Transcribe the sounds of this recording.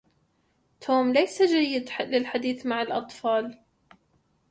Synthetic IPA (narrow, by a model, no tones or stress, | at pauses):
t̪ʰoːmlajsad͡ʒajːɪd̪lɪlħad̪iːθmaʕalʔɑt̪ˤfɑːl